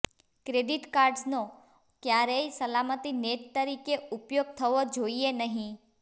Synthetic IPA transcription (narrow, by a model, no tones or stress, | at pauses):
kɾeɖɪʈkaːɾɖzno | kjaɾeisəlamət̪ineːʈ̪t̪ːəɾiːkeʊpjoːɡ̚t̪ʰəʋod͡ʒoienəɦĩ